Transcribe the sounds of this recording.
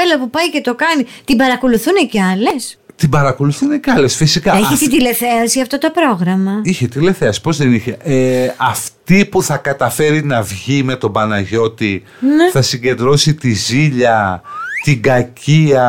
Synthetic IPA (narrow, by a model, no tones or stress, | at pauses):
elɐpupɐjce̞t̪o̞kɐnit̪ibɐɾɐko̞luθuneceɐle̞st̪ibɐɾɐko̞luθunecɐle̞sfisikɐeçit̪it̪ile̞θeɐsiɐft̪ot̪o̞pɾo̞ɣɾɐmɐiçet̪ile̞θe̞ɐsi̥po̞zðeniçeʔɐft̪ipuθɐkɐt̪ɐfe̞ɾinɐvʝime̞t̪o̞bɐnɐʝo̞t̪i | neθɐsiɲɟe̞nd̪ɾo̞sit̪iziʎɐt̪iɡɐciɐ